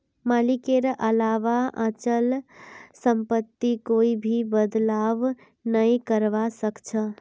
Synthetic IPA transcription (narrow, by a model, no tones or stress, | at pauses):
maːlikeɾʔəlaʋaʔã̰t͡ʃəlsə̃mpət̪ːikoibʱibəd̪laʋ | nəĩkəɾʋasəkt͡ʃʰə